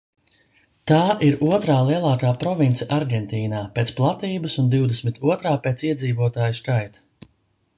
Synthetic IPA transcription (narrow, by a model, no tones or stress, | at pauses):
t̪aːʔiɾuɔt̪ɾaːlˠiɛlˠaːkaːpɾɔvint̪sɛʔaɾɡʲɛnt̪iːnaːpeːt̪splˠat̪iːbəsund̪iwd̪esmit̪uɔt̪ɾaːpeːt̪siɛd̪ziːvuɔt̪aːjuskajt̪